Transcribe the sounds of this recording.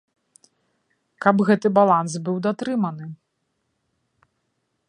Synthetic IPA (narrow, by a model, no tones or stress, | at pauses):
kɐbɣɛt̪ɨbalˠansbɨwd̪at̪ɾɨmɐnɨ